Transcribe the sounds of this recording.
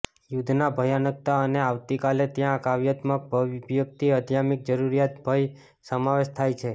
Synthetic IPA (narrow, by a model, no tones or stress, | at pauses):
jud̪ʱnabʱəjanək̚t̪aəneaʋt̪ikalet̪jãkaʋjət̪mək̚bʱʋbjək̚t̪iəd̪ʱjamik̚d͡ʒəɾuɾijat̪̚bʱəj | səmaʋeʃt̪ʰajt͡ʃʰe